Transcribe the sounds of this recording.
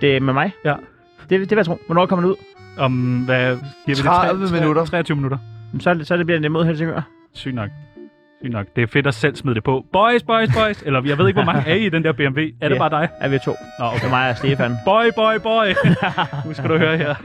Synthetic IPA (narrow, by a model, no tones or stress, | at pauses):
d̥e̝memɑ̈ɪjæ | d̥e̝d̥e̝ʋejɐt͡sʰʁo̰ːʋɒnɒ̰ːkʰɒmɐd̥euð̰ˠɒ̽mʋæɡ̥iɐ̰ʋi̥eəminudɐt͡sʰʁɛ̰ːɐt͡sʰyːʊminuɾ̥ɐjemsɒsɒdeb̥liɐdedemo̝ð̞̰ˠelsʰeɡ̥ø̰ɐ | sy̰ːnɒɡ̥̚ | sy̰ːnɒ̽ɡ̥d̥e̝æfe̝d̥ɒsel̰smiðˠd̥e̝pʰɒ̽b̥ɒɪsb̥ɒ̽ɪsb̥ɒɪselɐjɑɪe̝ðˠeɡ̥ʋɒmɑ̈ŋæɐid̥end̥ɛɐb̥e̝emʋe̝̰ːæɐɾebɑ̈ːd̥ɑ̈ɪæɐʋit͡sʰo̝̰ː | ɒemɑ̈ɪæsd̥eːfænb̥ɒɪb̥ɒɪb̥ɒɪ | nusæduhøːɐheɐ̰